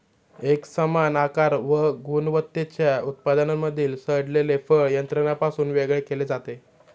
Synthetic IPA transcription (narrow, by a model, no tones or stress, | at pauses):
eksəmanakaɾʋəɡunʋət̪ːet͡ɕjaut̪̚pad̪ənamːəd̪ʱiːlsəɽlelefəɭjənt̪ɾənapasuːnʋeɡɭekeled͡zat̪e